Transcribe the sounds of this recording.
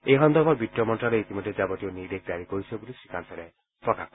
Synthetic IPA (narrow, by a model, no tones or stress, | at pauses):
eɦɔnd̪ɔbɔɾbʱiʈjɔmɔnʈɾaɾeit̪imɔd̪ʱːed͡ʒabɔt̪ionidek̚d̪aɾikɔɾisʰɔbulisi̥kʰansaɾe | pɔkʰa̰k